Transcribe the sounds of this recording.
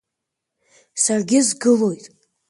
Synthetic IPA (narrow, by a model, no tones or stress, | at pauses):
sarɡʲɪzɡɨlo̞jtʼ